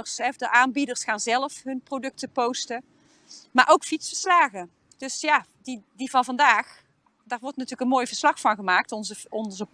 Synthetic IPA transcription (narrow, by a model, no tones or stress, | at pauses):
əsɛdəʔaːnbidərsχaːnzɛləfɦɵnprodɵk̚təpowstə | maːʔowkfitsfəɹslaːɣə | d̥ɵsjadidivɑnvɑndaːχ | daːɹʋɔɹtnatyːləkənmoːjvəɹslɑχfɑnχəmaːk̚tɔnzəɔnzə